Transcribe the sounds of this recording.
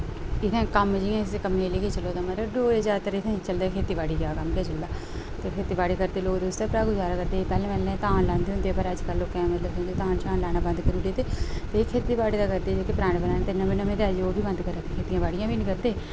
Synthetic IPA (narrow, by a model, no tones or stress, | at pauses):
ɪt̪ʰẽːkəmd͡ʒijãːɪsekəmẽːleːket͡ʃəloːd̪aːmət̪ləbɖoːɾeːd͡ʒaːt̪əɾɪt̪ʰẽːt͡ʃəld̪aːkʰeːt̪iːbaːɽiːd͡ʒaːkəmkɛːt͡ʃəld̪aː | t̪eːkʰeːt̪iːbaːɽiːkəɾd̪eːloːkd̪ʊst̪apɾaːɡuːd͡ʒaːɾaːkəɾd̪eːpɛːlẽːmɛlːẽːt̪ãːnlãːnd̪eːʊnd̪eːpəɾəd͡ʒkəlːoːkɛ̃ːmət̪ləbʊ̃nd̪eːt̪ãːnt͡ʃãːnlaːñaːbə̃nd̪kəɾuːɽeːt̪eːt̪eːkʰeːt̪iːbaːɽiːd̪aːkəɾd̪eːd͡ʒeːkeːpɾãːɳbənaːnːt̪enəmẽːnəmẽːt̪eːəd͡ʒoːbʱiːbə̃nd̪kəɾaːt̪ekʰeːt̪ijãːbaːɽijãːbiːnĩːkəɾd̪eː